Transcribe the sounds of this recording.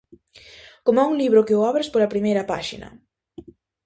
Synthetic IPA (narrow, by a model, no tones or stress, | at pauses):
komoɛuŋliβɾʊkɪoaβɾɪspoɾɐpɾimejɾɐpa̰ʃḭnɐ̰